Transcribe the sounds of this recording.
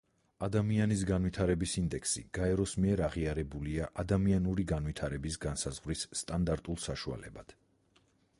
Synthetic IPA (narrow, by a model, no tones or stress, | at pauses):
ad̪amianis̬ɡanwit̪ʰaɾɛbisind̪ɛkʰsḭɡ̥aɛɾɔsmiɛɾaʁiaɾɛbuliaʔad̪amianuɾiɡanwit̪ʰaɾɛbisɡansazʁvɾisːt̪ʼand̪aɾt̪ʼulˠsaʃua̰lɛbad̪̥